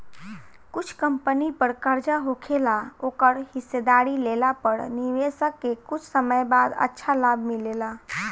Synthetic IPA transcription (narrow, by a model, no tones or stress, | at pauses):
kʊt͡ʃʰkəmpənipəɾkəɾd͡ʒaɦokʰelaoːkəɾhɪsːed̪aɾilelapəɾniʋesəkːekʊt͡ʃʰsəməjbad̪ə̰tːʃʰalabʱmɪlela